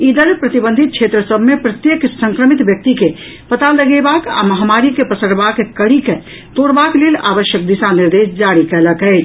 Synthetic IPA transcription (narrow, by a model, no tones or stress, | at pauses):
id̪əlpɾət̪ibə̃nd̪ʱit̪̚kt͡ʃʰet̪ɾəsəbʱmepɾət̪jəksə̃ŋkɾəmit̪bjək̚t̪ike | pət̪aləɡebaka̰məɦamaɾikepəsəɾbakekəɽike | t̪oɽbaklela̰bəʃjək̚d̪isaniɾd̪esd͡ʒaɾikɛɦləkɛɪt͡ʃʰ